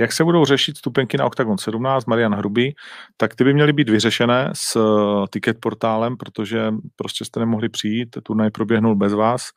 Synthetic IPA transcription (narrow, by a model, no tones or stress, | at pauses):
jaksɛbudo̞wr̝ɛʃɪt̪st̪upɛŋkɪna̰ʔokt̪aɡonsɛdumnaːt͡st̪maɾɪjanɦɾubɪt̪akt̪ɪbɪmɲɛlɪbiːd̪vɪrɛʃɛnɛːst̪ɪkɛt̪̚po̞ɾt̪aːlɛmpɾo̞t̪o̞ʒɛpɾoscɛst̪ɛnɛmoɦlɪpr̥ɪjiːt̪ːuɾnajpɾo̞bjɛɦnulbɛzvaːs